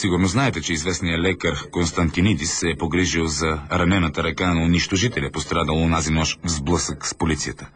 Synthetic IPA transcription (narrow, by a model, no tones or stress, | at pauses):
siɡʊɾnoznaɛt̪ɛt͡ʃɛizvɛsnijəlɛkəɾkonst̪ɐnt̪inid̪isɛːpoɡɾiʒilˠzɐɾɐnɛnət̪əɾɐkanɐʊnit͡ʃt̪oʒit̪ɛlʲɐpost̪ɾad̪əlˠonazinɔʃvzblˠɤsəkspolit̪sijət̪ə